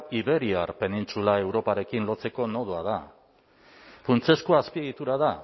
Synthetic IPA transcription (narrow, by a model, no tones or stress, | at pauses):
iβe̞ɾiarpe̞nint͡sulae̞wɾo̞paɾe̞kinlo̞t͡se̞ko̞noð̞uaða | funt͡se̞skoaspieɣit̪uɾaða